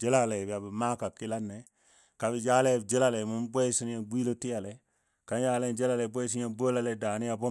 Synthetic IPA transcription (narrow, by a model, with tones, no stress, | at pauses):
d͡ʒe˦la˦˨le˨bi˨a˨bi˨ma˦ka˨ki˦la˦nːe˨ | ka˨bi˨d͡ʒa˦le˦˨d͡ʒe˦la˦le˨mu˦mbo˦si˦n˦ja˨ɡ͡bʷiː˦lo˦ti˦ja˨le˨ | ka˨˦njaː˦le˦nd͡ʒe˦la˦le˨bo˦s̬i˦a˦˨bo˦la˦le˦daː˨ni˦a˦bo˦